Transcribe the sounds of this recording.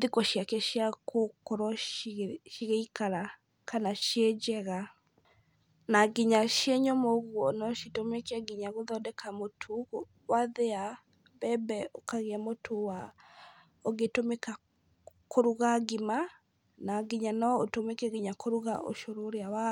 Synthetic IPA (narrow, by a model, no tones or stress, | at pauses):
ðikɔʃjakɛʃjakʰokɔɾɔ | ʃiɣeikaɾa | kʰanaʃjɛd͡ʒɛɣa | naɡiɲaʃjɛɲɔmɔɣuɔnɔʃitomekaɡiɲaɣoðɔdɛkʰamotʰoɣo | waðea | bɛbɛokaɣeamotʰowa | ɔɣetomɛka | koɾuɣaɡima | naɡiɲanɔotomekɛɡiɲakʰoɾuɣa̰ʔo̰ʃoɾoɾeawa